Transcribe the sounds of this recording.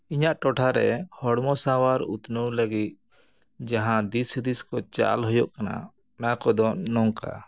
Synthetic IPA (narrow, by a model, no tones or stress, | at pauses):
iɲaʔʈɔʈʰaɾɛhɔɽmɔsawaɾut̪nəwləɡit̪̚ | d͡ʒaɦãd̪isd̪iskɔt͡ʃa̰lɦɔjɔʔkana̰ | nakɔd̪ɔnɔŋka̰